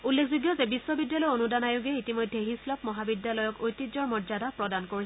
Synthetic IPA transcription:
ulːekʰzuɡjɔzɛbisːɔbidjalɔjonudanajuɡɛitimojdʱːeɦislɔpmɔɦabidjalɔjɔkojtid͡ʒɔɹmɔzadapɹɔdankoɹis

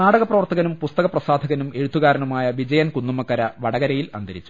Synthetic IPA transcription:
naːɽɐɣɐpːrɐʋɐrt̪ɐɣɐnumpust̪ɐɣɐprɐsaːd̪ʱɐɣɐnume̞ɻut̪ʰːuɣaːɾɐnumaːjɐʋid͡ʑɐjɐnkunːumɐkːɐɾɐʋɐɽɐɣɐɾɐjilɐ̰nd̪ʱɐɾit͡ɕːu̥

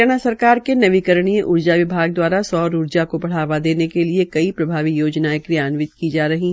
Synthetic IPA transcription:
ñasɐɾkaːɾkenɐʋikɐɾɽ̃iẽʔʊɾd͡ʒaʋɪbʱaːɡ̚d̪waːɾasɔːɾʊɾd͡ʒakobɐɽ̤aːʋad̪eːnekeliekɐipɾɐbʱaːʋijoːd͡ʒnaekɾijaːnʋɪt̪kid͡ʒaːɾɐɦiɦ

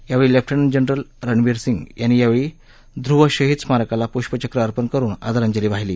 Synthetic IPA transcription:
jaʋeɭiːlɛp̚ʰʈʰənənd͡ʑənɾəlɾəɳʋiɾsiŋɡjanːiːjaʋeɭi | d̪ɾuʋəɕəɦit̪t͡smaɾkalapuɕpət͡ɕəkɾəəɾpənkəɾuːna̰d̪aɾəɲd͡ʑəliːʋaɦilḭː

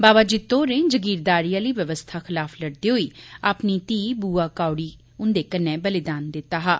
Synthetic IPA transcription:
baːbaːd͡ʒit̪oːnẽːd͡ʒəɡiːɾd̪aːɾijãːləiːʋjəʋəst̪ʰaːxɪlaːfʰləɽd̪iːɦoiːaːpniːt̪iːbuːaːkaːʊɽiː | ʊnd̪eːkənɛ̃ːbəlɪd̪aːnd̪ɪt̪ːaːɦaː

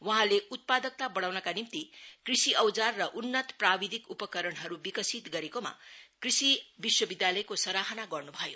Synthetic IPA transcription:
wʌɦãleut̪̚pad̪ʌk̚t̪abʌɽ̃awnʌkanimt̪ikrisiʔʌwd͡zarːʌʔunːʌt̪prabid̪ʱikupʌkʌɾʌnɦʌɾubikʌsit̪ɡʌɾekoma̰krisibiswʌbid̪jalʌjkosʌɾaɦʌnaɡʌrnubʱʌjo

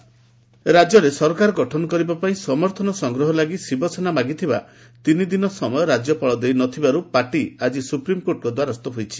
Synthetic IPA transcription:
ɾad͡ʒɔɾesɔɾkaɾɔɡɔʈʰɔnɔkɔɾibapaĩsɔmɔɾt̪ʰɔnɔsɔŋɡɾɔɦɔlaɡisibɔsʰɔnamaɡit̪ʰiba | t̪inid̪inɔsɔmɔjɔɾad͡ʒɔpɔɭɔd̪ejnɔt̪ʰibaɾupaʈiad͡ʒisupɾimkoʈɔkɔd̪waɾɔst̪ɔɦojt͡ʃʰi̥

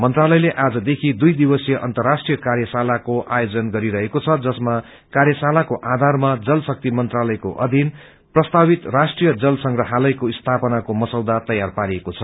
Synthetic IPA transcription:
mʌnt̪ralʌjleʔad͡zʌd̪ekʰid̪ujd̪ibʌsjʌʔʌnt̪ʌrːasʈrijʌkarjʌsalakoʔajod͡zʌnɡʌɾiɾʌɦekot͡sʰʌd͡zʌsma | karjʌsalakoʔad̪ʱarmad͡zʌlsʌk̚t̪imʌnt̪ralʌjko̰ʔʌd̪ʱin | prʌst̪abit̪rasʈrijʌd͡zʌlsʌŋɡrʌɦalʌjkoist̪ʰapʌnakomʌsʌwd̪at̪ʌjarpaɾiekot͡sʰʌ

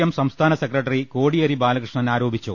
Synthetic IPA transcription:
jɐmsɐmst̪ʰaːnɐsekrɐʈ̬ːɐrikoːɽijɐɾibaːlɐkrɨʂɳɐnaːɾo̞ːbʱit͡ɕːu

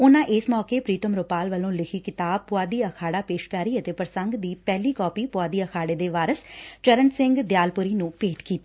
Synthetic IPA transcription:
ʊnãːʔɪsmɔːkeːpɾiːt̪əmɾoːpaːlʋəlõːlɪkʰiːkɪt̪aːpʊaːd̪iːəkʰaːɽaːpeːʃkaːɾiːət̪eːpəɾsə̃ŋɡd̪iːpɛːliːkɔːpiːpʊaːd̪iːəkʰaːɽeːd̪eːʋaːɾəst͡ʃəɾəɳsɪ̃ŋɡd̪jaːlpʊɾiːnũːpeːʈkiːt̪iː

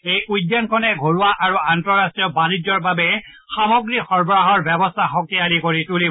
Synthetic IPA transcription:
ejujdːjankʰɔnɛɡʱoɹuwaʔaɹuantɹɔɹastɹijɔbanid͡ʒjɔɹbabɛ | xamɔɡɹixɔɹbɔɹaɦɔɹbɛbɔstʰaxɔkialikoɹituli

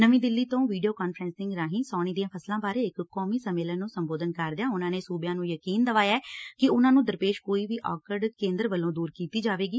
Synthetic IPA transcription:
nəʋĩːd̪ɪlːiːt̪õːʋiːɖijoːkaːnfʰɾɛ̃ːnsɪ̃ŋɡɾaːɦĩːsɔːɽ̃iːd̪ijãːpʰəslãːbaːɾeːɪkkɔːmiːsəmːeːlənːũːsəmboːd̪ənkəɾd̪ɪjaːʊnãːneːsuːbjãːnũːjəkiːnd̪əʋaːjaːɛːkɪʊnãːnũːd̪əɾpeːʃkoːiːʋiːʔɔ̰ːkəɾɖkẽːnd̪əɾʋəlːõːd̪uːɾkiːt̪iːd͡ʒaːʋeːɡiː

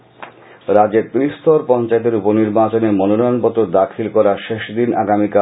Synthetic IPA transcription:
ɾad͡ʑeɾt̪ɾist̪ʰoɾpɔnt͡ɕaet̪̬eɾuponiɾbat͡ɕoneɾmɔnonɔjonpɔt̪oɾd̪akʰilkɔɾaʃeʃd̪inaɡamika

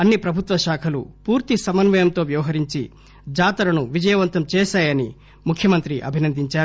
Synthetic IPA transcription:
ɐnːipɾɐbʱut̪ʋɐʃaːkʰɐlupuːɾt̪isɐmɐnʋɐjɐmt̪o̞ːʋjɐʋɐɦɐɾiɲt͡ʃi | d͡ʒaːt̪ɐɾɐnuʋid͡ʒɐjɐʋɐnt̪ɐmt͡ʃɛːʃaːjɐni | mukʰjɐmɐnt̪ɾiʔɐ̰bʱinɐnd̪ʱiɲt͡ʃaːɾ

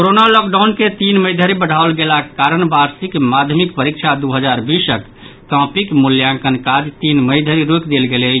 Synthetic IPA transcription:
koɾonalɔk̚ɖaʊnket̪inməjd̪ʱəɾibəɽ̤ʱaolɡelakaɾənbaɾsikmad̪ʱjəmikpəɾikt͡ʃʰad̪uɦəd͡ʒaɾbisəkː | ãpikmuljãŋkənkad͡ʒt̪inməɪd̪ʱəɾiɾokd̪elɡelɛ

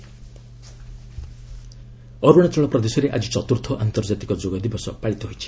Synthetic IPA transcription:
ʌɾuɽ̃at͡sɔɭʌprʌd̪esʌɾeʔad͡zit͡sʌt̪urt̪ʰɔʔant̪ʌrd͡zat̪i̥kɔd͡ʒoɡʌd̪ibʌsʌ̰paɭit̪oɦojt͡sʰi̥

